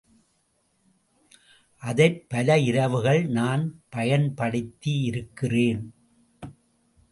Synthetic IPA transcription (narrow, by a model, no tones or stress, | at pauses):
ʔɐðɐɪpːɐlɐɪɾɐʋɯɣɐɭnaːnpɐjɐnpɐɽɯt̪ːiɪɾɯkːɪreːn